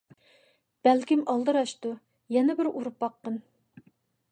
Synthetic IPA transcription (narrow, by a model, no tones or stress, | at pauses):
b̥ælkʲimɑlˠd̪ɨɾɑʃt̪u | jɛnɛbɪɾuɾupbɑqːən